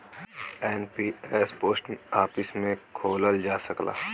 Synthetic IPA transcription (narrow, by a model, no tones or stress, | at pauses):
ɛːnpiːeːspoːsʈaːpəsmẽkʰoːləld͡ʒaːsəkla̰ː